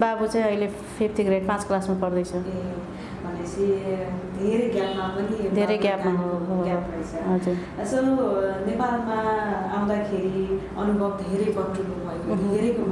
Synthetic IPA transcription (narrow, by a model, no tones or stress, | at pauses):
babut͡sãĩʌjle | pʰip̚ʰʈiɡɾeɖpãt͡sklasmapʌrd̪ʌjt͡sʰʌe | bʱʌnet͡sʰĩd̪ʱeɾeɡjapmapʌnid̪ʱeɾʌjɡjapmaɦoɦoɦɾʌjt͡sʰʌɦʌd͡zuɾ | sʌnepalmaaw̃d̪akʰeɾi | ʌnubʱʌb̚d̪ʱeɾʌjpʌʈrulumʌekoeɾek